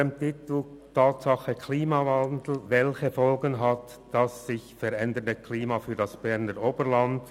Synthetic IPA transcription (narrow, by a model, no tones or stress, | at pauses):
emtɪt̪l̩ | tʰɑːtsɑχəkʰliːmɑvandl̩vɛlçəfɔlɡənɦat | d̥ɑsːɪçfɛɾɛndəndəkʰliːmɑfyːdɑsb̥ɛʁnəɾoːbəʁlɑnd̥